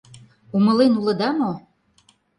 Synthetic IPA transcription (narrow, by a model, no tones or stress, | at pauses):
umə̆lenulə̆d̪ɑmo